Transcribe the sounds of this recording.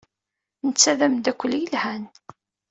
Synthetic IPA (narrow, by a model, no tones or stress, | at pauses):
nət͡sːæðæmd̪ækʷːəlːjəlhæn